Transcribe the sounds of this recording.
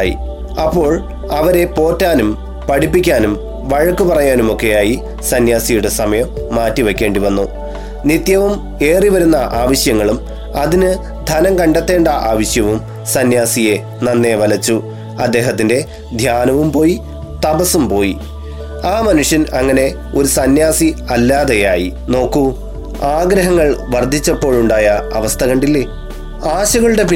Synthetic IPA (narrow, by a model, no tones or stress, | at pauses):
jḭ | ɐpːo̞ːɭ | ɐʋɐɾe̞po̞ːtːaːnum | pɐɽipːikʲːaːnum | ʋɐɻɐkːupɐrɐjaːnumo̞kːe̞jaːji | sɐnjaːsijuɽesɐmɐjɐmːaːtːiʋɐkʲːe̞ːɳɖiʋɐnːu | nit̪jɐʋum | e̞ːriʋɐɾunːɐʔaːʋɐɕjɐŋːɐɭum | ɐðinɨ | d̪ʱɐnɐŋkɐɳɖet̪ːe̞ːɳɖɐʔaːʋɐɕjɐʋum | sɐnjaːsije̞ | nɐnːe̞ʋɐlɐt͡ɕːu | ɐd̪ːe̞ːɦɐt̪ːinde̞ | d̪ʱjaːnɐʋumpo̞ːji | t̪ɐbɐsumpo̞ːji | aːmɐnuʂjɐnɐŋːɐne̞ | o̞ɾusɐnjaːsiɐlːaːðejaːjino̞ːkːu | aːɡɾɐɦɐŋːɐɭʋɐrd̪ʱit͡ɕːɐpːo̞ːɭuɳɖaːjɐɐʋɐst̪ʰɐɣɐɳɖilːe | aːɕɐɣɐɭuɽe̞pi